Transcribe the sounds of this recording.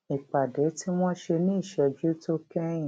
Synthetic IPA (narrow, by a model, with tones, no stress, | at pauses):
i˨k͡pa˨dɛ˨˦ti˦w̃ɔ̃˦ʃe˧nĩ˦i˦˨ʃɛ˧d͡ʒu˦to˦kɛ˦ĩ˨